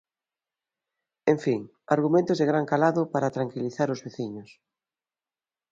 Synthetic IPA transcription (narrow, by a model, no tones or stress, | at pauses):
ẽɱfiŋ | aɾɣumẽnt̪ʊzðɪɣɾaŋkalaðʊpaɾat̪ɾaŋkiliθaɾʊzβeθiɲʊs